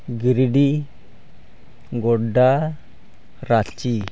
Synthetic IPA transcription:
ɡiɾiɖi | ŋɡoda | ɾat͡ʃːi

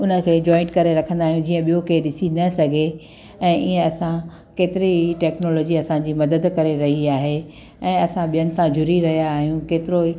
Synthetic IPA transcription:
ʊnə̆kʰeːd͡ʑɔːɪ̃ɳʈkɐɾeɾɐkʰə̃nd̪aːɦijũd͡ʑiːə̃ɓijokeɗɪsinɐsɐɡʱe | ɛ̃ːʔiːə̃ɐsã | keːt̪ɪɾiiʈɛːknoːloːd͡ʑiɐsãd͡ʑiːmɐd̪əd̪kɐɾeɾɐɦiaːɦe | ɛ̃ːɐsãɓijənɪ̆sãd͡ʑʊɾiɾɐɦijaːɦijũkeːt̪ɪɾoi

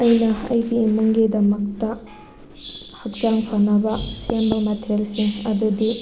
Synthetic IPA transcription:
ɐjnɐɐ̰jɡiːmɐŋɡidɐmɐk̚tɐ | hɐk̚t͡ʃaŋpʰɐnɐbɐsembɐmɐtʰeɾjelsiŋɐdudi

